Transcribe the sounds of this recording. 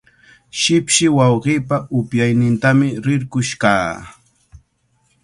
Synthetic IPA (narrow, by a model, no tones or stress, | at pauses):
ʃɪpʃɪwɑwɢiːpaʊpjajnɪnt̪amɪɾɪɾkʊʃka̰ː